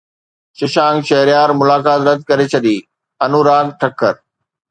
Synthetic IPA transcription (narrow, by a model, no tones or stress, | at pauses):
ʃɪʃãːŋɡʃɐɦɾjaːɾmʊlaːkaːt̪ɾɐd̪̚ʱkɐɾet͡ɕʰɐɗiː | ɐnuːɾaːɡʈʰɐkʰːəɾ